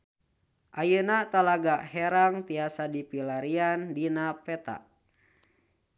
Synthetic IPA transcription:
ʔajənat̪alaɡaʔhɛɾaŋt̪iasadipilaɾiandinapɛt̪a̰ʔ

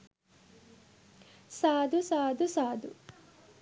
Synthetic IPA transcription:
saːd̪usaːd̪usaːd̪u

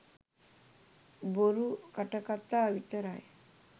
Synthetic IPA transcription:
boɾukəʈəkat̪ːaəʋit̪əɾaj

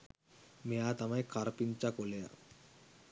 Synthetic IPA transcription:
mejat̪amãjkaɾpint͡ɕakoleja̰

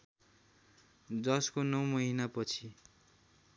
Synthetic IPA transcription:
d͡zʌskonʌwmʌɦinapʌt͡sʰi

